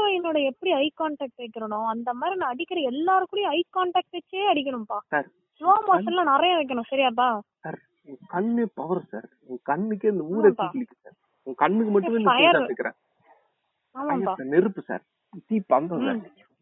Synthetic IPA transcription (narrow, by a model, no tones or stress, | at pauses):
ʋɐjɛnːoːɽɐɛpːɐɽiɐɪkaːɳʈaːk̚ʈeːkːɪɾɐɳʊ̃ɐnd̪ɐmaːd̪ɾinãːɐɽɪkːɪɾɐɛlːaːɾɯkːʊːɽɐjɐ̃ɐɪkaːɳʈaːk̚ʈɛt͡ʃːeːɐɽɪk̬ːɐɳʊ̃mpaːsaːɾ | saːmaːsɐlãːnɐɾɐjɐ̃ʋɐɪk̬ːɐɳʊ̃sɐɾɪjaːp̬aːsaːɾ | ʊŋɡɐkɐɳːeːpɐʋɐɾsa̰ːɾ | ʊŋɡɐkɐɳːɯkːeɪnd̪ɐuːɽɐt̪iːkːɐnɪkːɯsa̰ːɾ | ʊŋɡɐkɐɳːɯkːɯmɐʈːɯmeːnːɐjɐaɛkːɪɾḛ̃ː | aːmɐãːjɐpaːsaːnɪɾɯpːɯsa̰ːɾ | t̪iːpːɐŋɡasa̰